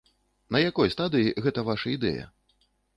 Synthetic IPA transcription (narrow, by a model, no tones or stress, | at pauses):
nɐjakɔjst̪ad̪ɨjiɣɛt̪ɐvaʂɐid̪ɛ̰jɐ̰